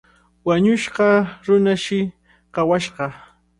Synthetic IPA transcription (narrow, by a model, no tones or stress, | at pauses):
waɲʊʃɢɑɾʊnaʃɪ | qɑwaʃɢɑ